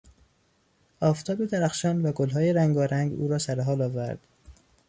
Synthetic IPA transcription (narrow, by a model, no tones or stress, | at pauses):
ɒːft̪ʰɒːbed̪æɾæxʃɒːnvæɡolɦɒːjeɾæŋɡɒːɾæŋɡṵːɾɒːsæɾeɦɒːlɒːvæɾd̪̥